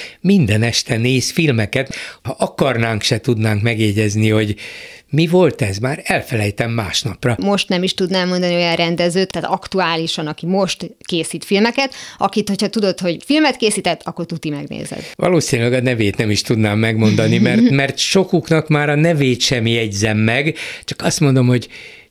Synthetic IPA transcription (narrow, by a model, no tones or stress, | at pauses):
mind̪ɛnɛʃt̪ɛneːsfilmɛkɛt̪hɒʔɒkɒrnaːŋkʃɛt̪ud̪naːŋkmɛɡjeːɟɛzniho̞ɟmivo̞lt̪ɛzmaːɾɛlfɛlɛjt̪ɛmːaːʃnɒprɒmo̞ʃt̪nɛmiʃt̪ud̪nɛmːo̞nd̪ɒnio̞jɒnrɛnd̪ɛzøːt̪ʰːaːt̪ɒkt̪uaːliʃɒnɒkimo̞ʃt̪keːsiːt̪filmɛkɛt̪ɒkit̪ho̞cʰhɒt̪ud̪o̞t̪ho̞ɟfilmɛt̪keːsiːt̪ɛt̪ːʰɒkːort̪ut̪imɛ̰ɡnḛːzɛ̰d̪ʋɒ̰loːsinylɛɡɒnɛveːt̪nɛmiʃt̪ud̪naːmːɛɡmo̞nd̪ɒnimɛt̪mɛrt̪ʃo̞kuknɒkmaːɾɒnɛveːt̪ʃɛmjɛɟzɛmːɛɡt͡ʃɒ̥kɒst̪mo̞nd̪o̞mho̞ɟ